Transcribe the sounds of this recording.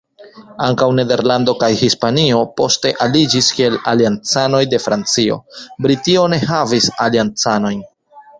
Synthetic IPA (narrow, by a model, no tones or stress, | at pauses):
aŋkawne̞de̞ɾlando̞kajhispanio̞po̞ste̞ʔalid͡ʒiskie̞laliant͡sano̞jde̞fɾant͡sio̞̰bɾitio̞ne̞ɦavisaliant͡sano̞jn